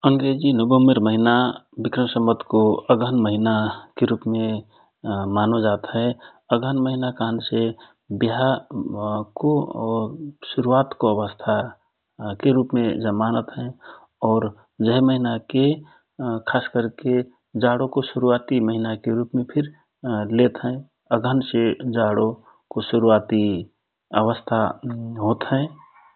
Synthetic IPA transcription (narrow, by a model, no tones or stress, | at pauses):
əŋɡɾed͡ʒinobəmiɾməɦinabɪkɾəmsəmːət̪ʰkoəɡʱənməɦinakeɾupmẽ | maːnod͡ʒaːt̪ɦɛ | əɡʱənməɦinakanse | biɦa | ko | suɾuat̪koəʋəst̪ʰa | keɾupmed͡ʒəmaːnət̪ɦɛ̃ | ɔːɾ | d͡ʒəɦməɦinake | kʰaːskəɾke | d͡ʒaːɽokoʃʊɾuaːt̪iməɦinakeɾuːpmẽpʰɪɾ | let̪ɦɛ̃ː | əɡʱənsed͡ʒaːɽo | koʃʊɾuat̪i | ə̰ʋəst̪ʰaɦoːt̪ɦɛ̃